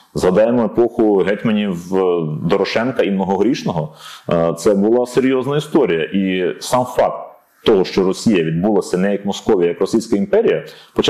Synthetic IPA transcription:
zɦɐd̪ɑjemɔepɔxʊɦɛt̪ʲmɐnʲiwd̪ɔɾɔʃɛnkɐimnɔɦɔɦɾʲiʃnɔɦɔt̪sɛbʊlˠɑseɾʲjɔznɐist̪ɔɾʲijɐʔisɑmfɑk̚t̪ː | ɔɦɔʃt͡ʃɔɾɔsʲijɐʋʲid̪̚bulˠɐsʲɐnɛjɐkmɔskɔʋʲijɐjɐkrɔsʲijsʲkɐimpɛɾʲijɐpɔt͡ʃ

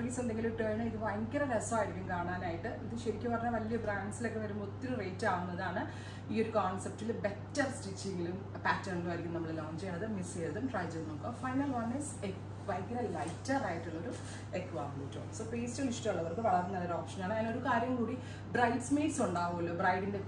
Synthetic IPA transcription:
kisend̪eŋɡiloʈeːnɐiðɨʋɐjkːɐɾɐɾesoaːjɾikʲːumkaːɳaːnaːjiʈːɨend̪ɨɕɐɾikʲːupɐrɐɲːaʋɐlijɐbraːɳɖsilo̞kːeʋɐɾumut̪ːilrejtːɨaːɣunːɐðaːɳɨ | iːo̞ɾukaːnsep̚tilbetːɐrstit͡ɕːiŋɡilum | paːtːɐrɳilumʋɐɾikʲːumnɐmːɐɭɨloːɲd͡ʑejɳɖɐðɨmist͡ɕejðɐðumʈraːjd͡ʑɐnokːofɐjnɐlʋɐnise | ʋɐjkɐrɐlɐjtːɐraːjiʈːulːoɾu | ekːʋaːblutːo̰ːɳmsoːpeːstɨlistɐuɭːɐʋɐrkɨʋɐɭɐrnːɐðɐɾoːkʂɐnaːɳɨɐino̞ɾukaːɾjɐmkuːɽi | brɐjɖsmeːʈsuɳɖaːʋuɐlːoːbrɐjɖinde̞

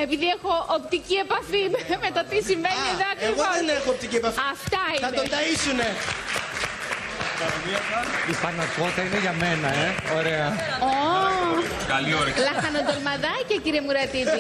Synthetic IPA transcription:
e̞piðiexo̞ːpt̪icie̞pɐfimmet̪ɐt̪isimvenieðoɐkeɣoðenexoːp̚t̪iciepɐfɐft̪ɐinɐnond̪ɐisune | kɐmiɐsɐifɐnɐko̞t̪ɐineʝɐmenɐeoɾeɐo | kɐlioɾlɐxɐnod̪olmɐðɐcɐciɾiemuɾɐt̪it̪i

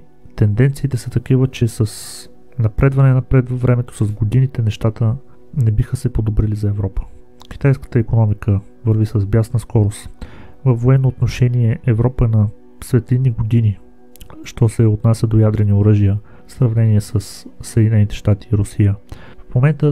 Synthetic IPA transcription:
t̪ɛnd̪ɛnt̪siːt̪ɛsət̪ɐkivət͡ʃɛsəs | nɐpɾɛd̪vɐnɛnɐpɾɛd̪vɐvɾɛmɛt̪o̥sɐzɡod̪init̪ɛnɛʃt̪at̪ə | nɛbixəsɛpod̪obɾilizɐɛvɾɔpə̥ | k̟i̥t̪ajskə̥t̪əikonɔmikə | vəɾvisəzbjasnəskɔɾost̪vəfːoɛnːoːt̪noʃɛniɛʔɛvɾɔpənɐ | svɛt̪linːiɡod̪ini | ʃt̪ɔsɛot̪nasʲəd̪ojad̪ɾɛnioɾəʒijə | sɾɐvnɛniɛsəssːɛd̪ʲinɛnit̪ɛ̥ʃt̪at̪i̥ːɾʊsijə | fmomɛnt̪ə

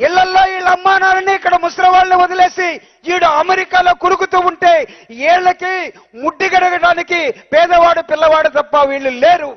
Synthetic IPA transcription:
iɭːɐlːoːiːɭɐmːaːnaːnɐniːkːɐɽɐmusɾɐʋaːlniʋɔd̪ɐle̞ːsi | iːɽuɐmeɾikaːlo̞ːkulukut̪uːuɳʈe̞ːɛːɭːɐki | muɖːiɡɐɽɐɡɐɽaːnikipɛːd̪ɐʋaːɽupilːɐʋaːɽut̪ɐpːɐʋiːɭːuleːɾu

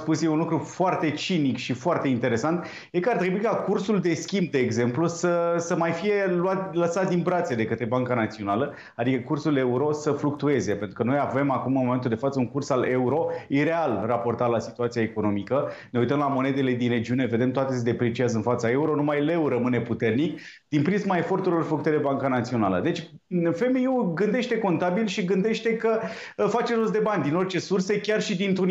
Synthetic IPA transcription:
spusjeunlukɾufoart̪e̞t͡ʃinikʃifoart̪e̞int̪e̞ɾe̞sant̪ | je̞kəart̪ɾe̞buikakursuld̪e̞skʲimb̚d̪e̞ːɡze̞mplusəsəmajfije̞luat̪̚ləsat̪̚d̪inbɾat̪sed̪e̞kət̪ɾe̞baŋkanat̪sio̞nalə | ad̪ikəkursule̞uɾo̞səfluk̚t̪ue̞ze̞pent̪ɾukənojave̞makumɨnmoment̪uld̪e̞fat̪səuŋkursale̞uɾo̞iɾe̞alrapo̞rt̪alasit̪uat̪sijaeko̞no̞mikəneujt̪əmlamo̞ne̞d̪e̞le̞d̪inre̞d͡ʒiune̞ve̞d̪e̞mt̪oat̪e̞sed̪e̞pɾet͡ʃiazəɨnfat̪sae̞uɾo̞numajle̞wɾəmɨne̞put̪e̞rnik | d̪̥inpɾismae̞fo̞rt̪uɾilo̞rflukut̪elebaŋkanat̪sio̞nalə̰d̪e̞t͡ʃʲ | fe̞meuɡɨnd̪e̞ʃt̪e̞ko̞nt̪abilʃiɡɨnd̪e̞ʃt̪e̞kə | fat͡ʃeɾozd̪e̞banʲd̪ino̞rt͡ʃe̞surse̞kʲarʃid̪int̪ɾun

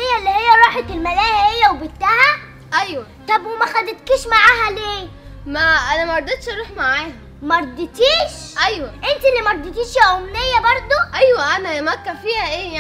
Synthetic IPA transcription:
hejːælːihejːæɾˤɑːħet̪elmælæːjæhejːæwebet̪ːæhæ | ʔæjwæ | t̪ˤɑbwemæxæd̪et̪kiːʃmaʕaːɦæleːmæʔænæmæɾɑd̪ˤet̪ʃʔɑɾˤuːħmaʕaːhæ | mæɾˤd̪ˤːet̪iːʃ | ʔæjwæʔent̪ilːimæɾˤd̪ˤet̪iːʃjʕomnejːæbɑɾˤd̪ˤoʔæjwæʔænæmækːæfiːhæʔeːj

